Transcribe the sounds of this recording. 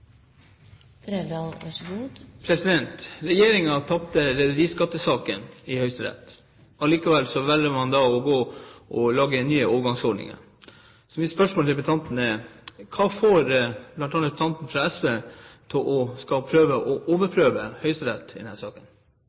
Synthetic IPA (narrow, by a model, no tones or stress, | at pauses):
ɑʂɡuːpʰɾɛsɪd̪ɛnt̪ɾɛjeːɾɪŋɑt̪ʰɑp̚t̪əɾɛd̪ʉɾiːskɑt̪ːəsɑːkənɪhœʏst̪əɾɛ̰t̪ | ɑliːkɑʋɛlsɔʋɛlːəmɑnd̪ɑɔɡoːʔɔlɑːɡənyːəoːʋəɡɑŋsɔɖɳɪ̰ŋə̰ɾ | sɔmɪspœʂmolt̪ʰɪlpət̪ʰɑnt̪nəkʰɑːfoːɾb̥lɑnt̪ɑnəpʰt̪ʰɑnt̪n̩fɾɑɛsʋeːt̪ʰɪlʔɔskɑpʰɾøːʋəʔɔʔoːʋəɾpʰɾøːʋəhœʏst̪əɾɛt̪ːd̪ɛnhæːʂɑːkən